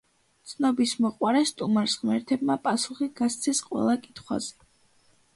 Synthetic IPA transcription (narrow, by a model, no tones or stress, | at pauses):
t̪sʰnɔbismɔqʼwaɾɛst̪ʼumaɾsʁmɛɾt̪ʰɛb̚mapʼasuχiɡ̥ast̪sʰɛsqʼwɛ̰lˠakʼit̪ʰχwa̰z̥ɛ